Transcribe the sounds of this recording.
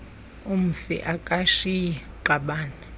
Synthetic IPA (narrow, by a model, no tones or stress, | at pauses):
um̩fɛ̰ʔakʼaʃijɛ | ǃaɓaːna